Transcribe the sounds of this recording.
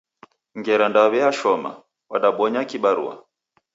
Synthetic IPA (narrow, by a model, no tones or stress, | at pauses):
ŋɡɛɾandaβɛaʃɔma̰ | waɗaɓɔɲakiɓaɾṵa̰